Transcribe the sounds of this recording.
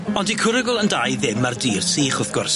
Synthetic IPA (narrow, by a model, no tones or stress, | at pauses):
ɔndikʰʊɾəɡʊlˠəndajðɪmardiːrtʰiːχʊθɡ̥ʊrs